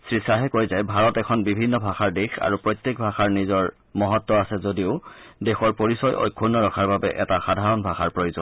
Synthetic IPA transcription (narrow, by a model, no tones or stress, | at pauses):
sɹisaɦɛkoɹjzajbʱaɹɔtɛkʰɔnbibʱinːɔbʱaxaɹdexa̰ɹupɹɔjt̪jek̚bʱaxaɹnizɔɹ | mɔɦɔtːɔasɛzodiʊdɛxɔɹpoɹisɔjʔo̰jkʰːunːɔɹɔkʰaɹbabɛʔɛtaxadʱaɹɔnbʱaxaɹpɹojozɔn